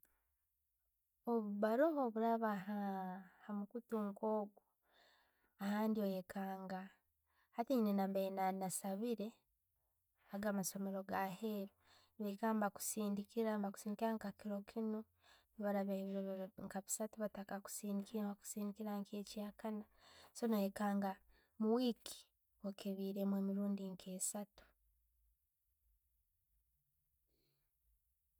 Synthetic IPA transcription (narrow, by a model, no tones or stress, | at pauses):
oβuβaɾoɦoβuɾaβaɦahamukutuŋkoːɡu | ahaːndiojekʰaːŋɡa | hatinenambenanasaβiɾe̞ | aɡaːmaso̞me̞ɾo̞ɡaɦeɾo | niβekambaku̥siːndikiɾambaku̥siːndikiɾaŋkakiɾo̞kʰino | nβaɾaβeβiɾeβŋkaβi̥satuβatakaku̥siːndikiβaku̥siːndikiɾaŋkʰeciakʰana | so̞noekaːŋɡa | muwiːkʰi̥ | wokʰeβiːɾemweːmiɾuːndiŋkʰe̞ːsatu̥